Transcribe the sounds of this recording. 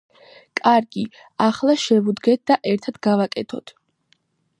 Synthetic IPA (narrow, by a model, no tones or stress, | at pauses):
kʼaɾɡi | aχlˠaʃɛvud̪ɡɛt̪̚d̪aʔɛɾt̪ʰad̪ɡavakʼɛt̪ʰɔt̪ʰ